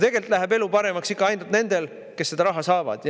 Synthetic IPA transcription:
t̪e̞ɡ̥e̞lt̪ːˑlæɦebe̞lupɑɾe̞mɑksikːɑɑjnd̪ut̪ne̞nd̪̥e̞l | ke̞sːed̪ɑɾɑɦɑsɑːvɑ̰d̪̥j

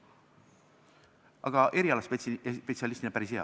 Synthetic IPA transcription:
ʔɑ̰ɡ̥ɑʔe̞ɾiɑlɑsppetsiɑlist̪inepæɾisheɑ̰

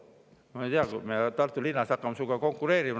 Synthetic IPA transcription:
mɑejt̪iɑkumet̪ɑrt̪ːulinːɑsɑkːɑmsukɑkoŋkːureːɾim

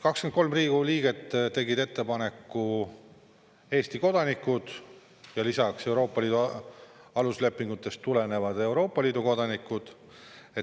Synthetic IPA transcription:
kɑkskenko̞lmriːɡuliːɡ̥e̞t̪ːt̪ːe̞ɡid̪e̞t̪ːe̞pɑne̞kːˑu | e̞ːst̪iko̞d̪̥ɑnikːˑud̪̥ | jɑlisɑkse̞uwɾo̞ːpːˑɑliːd̪u | ɑlusle̞pːˑiŋɡ̥ut̪ːˑe̞st̪ːule̞ne̞vɑd̪̥e̞wɾo̞ːpːˑɑliːd̪̥uko̞d̪̥ɑnikːˑud̪̥ | e̞

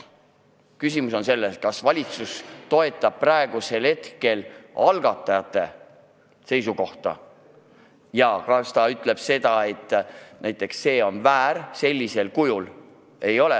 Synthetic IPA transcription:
kys̬imuso̞nse̞lːeskɑsvɑlʲit̪sust̪o̞e̞t̪ːˑɑb̥̚prɑeɡ̥use̞lhe̞t̪ke̞lɑlɡɑt̪ːˑɑjɑt̪ˑːe̞ | se̞jsuko̞ht̪ɑ̰ | jɑkɑst̪ɑyt̪ːˑle̞b̥se̞d̪̥ɑe̞t̪ːˑnæjt̪ːˑe̞ksːe̞ːo̞nvæːɾse̞lʲːise̞lkujul | e̞jo̞le

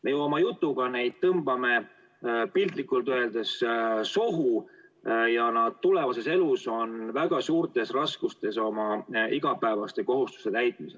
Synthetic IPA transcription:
me̞juo̞mɑjut̪ːˑuɡ̥ɑne̞jd̪̥̚t̪ɤmb̥ɑme̞ | pilt̪likːˑult̪øe̞ld̪̥essoɦu | jɑnɑd̪̥̚t̪ule̞vɑse̞se̞luso̞nvæɡ̥ɑsuːrt̪ˑe̞srɑskust̪e̞so̞mɑiɡ̥ɑpæevɑst̪e̞ko̞ɦust̪u̥st̪e̞t̪æjt̪̚ˑmisel

